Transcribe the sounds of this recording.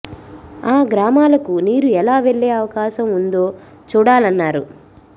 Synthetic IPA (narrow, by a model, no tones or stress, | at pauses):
aːɡɾaːmaːlɐkuniːɾuɛlaːʋe̞ɭːe̞ːɐʋɐkaːʃɐmund̪o̞ː | t͡ʃuːɽaːlɐnːaːɾu